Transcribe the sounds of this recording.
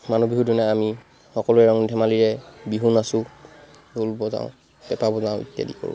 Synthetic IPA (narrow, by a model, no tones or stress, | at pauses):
manubiɦudunaami | xɔkɔlʊɛɹɔŋnidʰʱɛmaliɹɛbiɦunasʊ̃ | dʱulbɔzã̰ʊ̃ | pɛpabɔzãʊ̃ḭtja̰diko̰ɹʊ̰̃